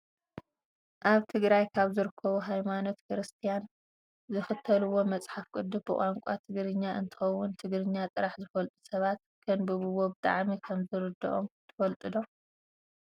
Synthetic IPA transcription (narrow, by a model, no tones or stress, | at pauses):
ʔaβt̪ʰɨɡɾajkʰaβzɨɾɨkʰːɐβuɦajmano̞t̪kʰɨɾɨst̪ʰijan | zɨxɨt̪ʰːɐlɨwːo̞mɐt͡sʼħafkʼɨd̪ːɨbɨkʼaŋkʷʼa̰t̪ʰɨɡɾɨɲːaʔɨ̰nt̪ʰɨ̥xɐwːʊnt̪ʰɨɡɾɨɲːat̪ʼɨɾaħzɨfɐlt̪ʼusɐβat̪ | kʰɐnbɨβɨwobɨt̪ʼa̰ʕmikʰɐmzɨɾɨd̪ɐ̰ʔomt̪ʰɐ̥fɐlt̪ʼɨd̪o